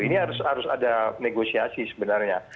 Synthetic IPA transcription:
iniɦaɾʊshaɾʊsa̰daneɡosiasisəbənarɲa

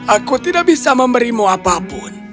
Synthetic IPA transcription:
akot̪iɗaɓisamam̩ɾimɔapapɔni

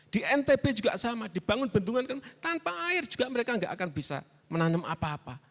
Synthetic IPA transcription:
d̪̥iʔɛnt̪eb̥ed͡ʒuɡaʔsamad̪̥i̤b̥aŋʊnbənt̪uŋankant̪anpaːɪrd͡ʒ̥u̥ɡ̥aʔməɾekaŋɡa̰ʔakanbisa̰ | mənanəmʔa̰paːpa

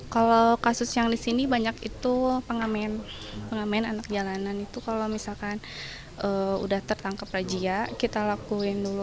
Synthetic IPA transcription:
kalokasʊsjaŋdisinibaɲakit̪upəŋamen | pəŋamaananak̚d͡ʒalananit̪ukalomisalkan | ʔəṵdaht̪ərt̪aŋkaprad͡ʒiakit̪alakuɪndulu

